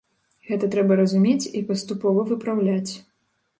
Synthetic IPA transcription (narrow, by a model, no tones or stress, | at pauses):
ɣɛt̪ɐt̪ɾɛbɐɾɐzumʲet͡sʲipɐst̪upɔvɐvɨpɾawlʲat͡sʲ